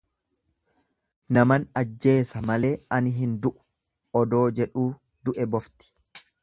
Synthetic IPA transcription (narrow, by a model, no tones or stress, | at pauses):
nɐmɐnɐd͡ʒːe̞ːsɐmɐle̞ːɐnɪɦɪnd̪ʊʔʊ̥ | ɔd̪o̞ːd͡ʒɛᶑuː | d̪ʊʔɛbɔft̪ɪ̥